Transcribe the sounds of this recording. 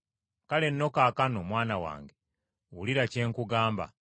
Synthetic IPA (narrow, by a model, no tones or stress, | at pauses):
kale̞nːo̞kaːkano̞mwaːnawa̰ːŋɡe̞ | wuliɾace̞ːŋkuɡaːmba̰